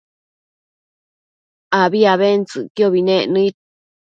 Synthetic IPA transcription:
aβiaβent͡sɨkjoβinẽnɨ̃it̪̚

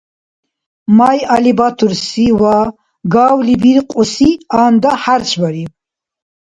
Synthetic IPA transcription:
majalibat̪ʰuɾsiwa | ɡaːwlibiɾqʼɔsiaːnd̪aħaɾt͡ʃʰʼbaɾi

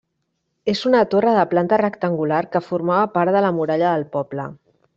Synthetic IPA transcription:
ezunət̪orəðəplant̪ərəkt̪əŋɡularkəfuɾmaβəpaɾðələmuɾaʎəðəlˠpɔblə̰

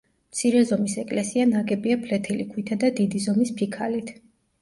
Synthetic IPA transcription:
mt̪sʰiɾɛzɔmisɛkʼlɛsianaɡɛbiapʰlɛt̪ʰɛlikʰwit̪ʰad̪ad̪id̪izɔmispʰikʰalit̪ʰ

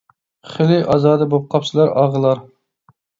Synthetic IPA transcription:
χɪlɪʔɑzɑːd̪ɨbop̚qʰɑpsɨlˠɑɾɑʁəlˠɑɾ

